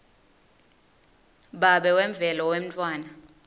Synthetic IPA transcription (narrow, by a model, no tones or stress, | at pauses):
ɓaɓɛwɛɱb̪vʱɛlɔwem̩tʼwaːna